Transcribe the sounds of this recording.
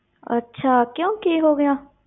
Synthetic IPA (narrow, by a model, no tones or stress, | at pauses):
ə̰tːʃʰaːkjõːkiɦoːɡəjãː